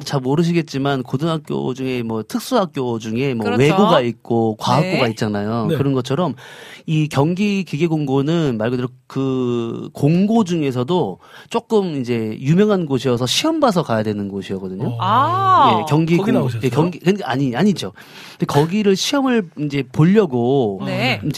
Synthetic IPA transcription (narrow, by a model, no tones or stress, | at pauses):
t͡ɕamoɾɯɕ̬ʰiɡe̞t̚t͡ɕ͈imankodɯŋɦak̚k͈jo̰d͡ʑuŋe̞mwʌtʰɯk̚s͈uɦak̚k͈jod͡ʑuŋe̞mwʌwe̞ɡoɡait̚k͈okwaɦakk͈oɡait̚t͡ɕ͈anajokɯɾʌnɡʌt͡ɕʰʌɾʌmikjʌŋɡikiɡe̞ɡoŋɡonɯnmaɭɡɯdeɾo | kɯkoŋɡod͡ʑuŋe̞s̬ʰʌdo | t͡ɕ͈ok͈ɯmind͡ʑe̞jumjʌŋɦanɡoɕʰijʌsʰʌɕʰiʌmbas̬ʰʌkajadwe̞nɯnɡoɕʰiʌɡʌdɯɲo | je̞kjʌŋɡijekjʌŋɡikɯnkaaɲiaɲid͡ʑo | ɯndekʌɡiɾɯɭɕʰiʌmɯɭind͡ʑe̞poʎːʌɡonind͡ʑ